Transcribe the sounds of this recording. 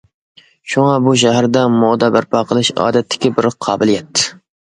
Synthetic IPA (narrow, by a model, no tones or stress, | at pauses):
ʃuŋɑbuʃ̬æɦæɾd̪ɛmod̪ɑbɪɾpʰɑqʰəlˠɨʃɑ̰ːd̪ɛt̪ʰːɪ̥kʲibɪɾqʰɑːbɨlijɛt̪ʰːɪ̥